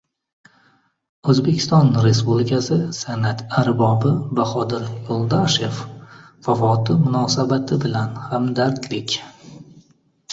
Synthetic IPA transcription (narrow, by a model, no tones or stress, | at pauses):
ɵzbe̞kʲʰɪ̥st̪ɒnɾe̞spublɪkʲʰasɪsanat̪ʰaɾbɒbɪbaχɒd̪ɪɾjolˠd̪aʃe̞fːafɒt̪ʰɪmʊnɒsabat̪ʰɪbɪlanhamd̪aɾd̪lɪkʲ